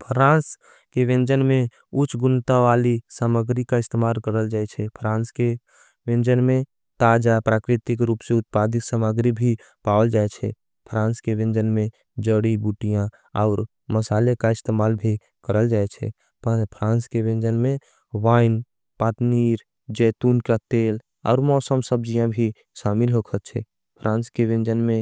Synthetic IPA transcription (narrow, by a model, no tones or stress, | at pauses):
pʰɾãːns | keʋẽnd͡ʒənmẽ | ʊt͡ʃʰɡʊnt̪aʋalisaməɡɾikaɪst̪emaːlkəɾəld͡ʒaːɛt͡ʃʰɛpʰɾãːnske | ʋẽnd͡ʒənmẽ | t̪ad͡ʒapɾaːkɾɪt̪ikɾuːpseʊt̪̚pad̪ɪksəməɡɾibʱi | pawəld͡ʒaet͡ʃʰɛ̰ | pʰɾãːnskeʋẽnd͡ʒənmẽ | d͡ʒəɽibuʈijã | aʊɾ | məsaːlekaɪst̪emaːlbʱi | kəɾəld͡ʒaːɛt͡ʃʰɛ̰ | ppʰɾãːnskeʋẽnd͡ʒənmẽ | ʋaːɪn | paːt̪niːɾ | d͡ʒɛːt̪uːnkat̪eːl | ɔ̰ːɾmɔːsəmsəb̚d͡ʒijãbʱi | ʃaːmilɦokʰət̪t͡ʃʰɛ̰ | pʰɾʔãːnskeʋẽnd͡ʒənmẽ